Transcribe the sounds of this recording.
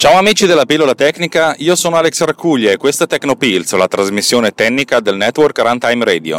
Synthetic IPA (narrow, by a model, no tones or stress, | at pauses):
t͡ʃaːoamiːt͡ʃid̪elːapilːolat̪ɛkːnikaiːosoːnoaleksarkuʎːaekːwest̪at̪ɛkːnopilslat̪ɾazmisːjoːnet̪ɛnːikad̪elnɛt̪ːworkɾant̪ajmɾeːd̪io̰